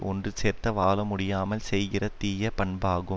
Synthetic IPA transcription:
ʔɔndrɯseːɾt̪ɐʋaːlɐmʊɽɪjaːmɐlsɛjɣɪrɐt̪iːjɐpɐɳbaːɣɯ

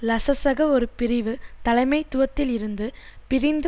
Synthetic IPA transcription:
lɐsɐsɐɣɐɔɾɯpɪɾɪʋɯt̪ɐlɐɪmɐɪt̪ːʊʋɐt̪ːɪlɪɾɯnd̪ɯpɪɾɪnd̪

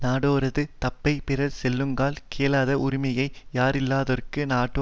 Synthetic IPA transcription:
naːɽoːɾɐðɯt̪ɐpːɐɪpɪrɐɾsɛlːɯŋɡaːlkeːlaːðɐʔʊɾɪmɐjɐɪjaːɾɪlːaːðɔrkɯnaːʈːo

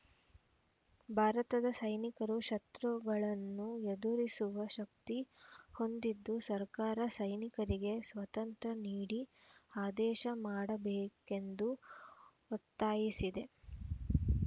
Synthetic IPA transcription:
bʱaːɾɐt̪ɐd̪ɐsɐjnikɐɾuʃɐt̪ɾuɡɐɭɐnːued̪uɾisuʋɐʃɐk̚t̪iho̞nd̪id̪ːusɐɾkaːɾɐsɐjnikɐɾiɡe̞sʋɐt̪ɐnt̪ɾɐniːɽi | aːd̪ɛːʃɐmaːɽɐbɛːke̞nd̪u | ot̪ːaːjisid̪e̞

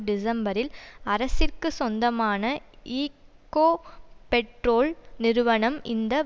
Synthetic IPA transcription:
ɖɪs̬ɐmbɐɾɪlɐɾɐsɪrkɯsɔnd̪ɐmaːnɐiːkːoːpɛʈɾoːlnɪɾɯʋɐɳɐmʔɪnd̪ɐ

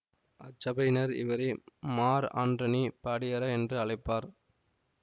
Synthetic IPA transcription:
ɐt͡ʃːɐbɐɪnɐɾɪ̰ʋɐɾɪmaːɾa̰ːndrɐnipɐɽɪjɐɾɐɛndrɯɐɭɐɪpːaːɾ

